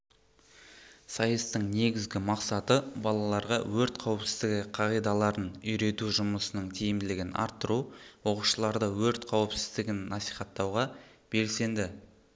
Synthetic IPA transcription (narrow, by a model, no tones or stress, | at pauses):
sɑjəst̪əɴne̞ɡʲɪzɡʲɪmɑqsɑt̪əbɑlˠɑlˠɑɾʁɑwɵɾt̪qʰɑwəpsɪzd̪ɪɡʲɪqʰɑʁijd̪ɑlˠɑɾənʏjɾe̞t̪uʒʊməsənəɴt̪ʰejɪmd̪ɪlɪɡʲɪnʔɑ̰ɾt̪ːəɾuwo̞quʃəlˠɑɾd̪əwɵɾt̪qʰɑwəpsɪzd̪ɪɡʲɪnːɑsijχɑt̪ːɑwʁɑ | b̥e̞lse̞nd̪ɪ